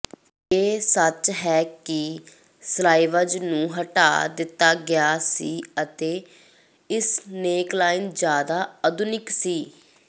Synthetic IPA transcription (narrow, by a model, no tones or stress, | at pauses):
eːsət͡ʃɦɛːkɪ | slaːɪʋəd͡ʒnũːɦəʈa̰ːd̪ɪt̪ːaːɡɪjaːsiːət̪eː | ɪsneːklaːɪnd͡ʒjaːd̪aːəd̪ʊnɪksiː